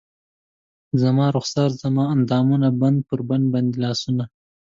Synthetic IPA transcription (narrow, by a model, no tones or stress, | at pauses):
zamɑɾʊxsɑːɾz̥amɑand̪ɑːmunaband̪̚pəɾband̪̚band̪elɑːsuna